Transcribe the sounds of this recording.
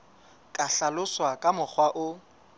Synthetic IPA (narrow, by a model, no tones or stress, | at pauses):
kʼaɬalʊswakʼamʊk͡xʰwaʔʊ